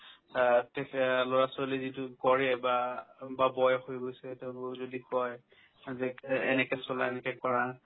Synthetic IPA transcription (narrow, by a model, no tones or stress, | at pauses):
tɛkloɹasɔlizitʊkɔɹɛbababɔjxojɡojsɛteʊ̃nozodikɔj | aziɛ̰nɛkɛsɔlaɛnɛkɛkɔɹã